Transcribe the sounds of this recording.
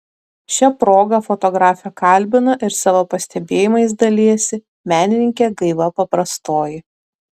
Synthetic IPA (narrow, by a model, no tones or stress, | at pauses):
ʃʲɛpɾoːɡɐfɔt̪ɔɡɾɑːfʲɛkɐˑlʲbʲɪnɐʔɪɾsɑːʋoːpɐsʲt̪ʲɛbʲeːjɪmɐɪsd̪ɐlʲiɛsʲɪ | mʲæːnʲɪnʲɪŋʲkʲeːɡɐɪʋɐpɐpɾɐst̪oːjɪ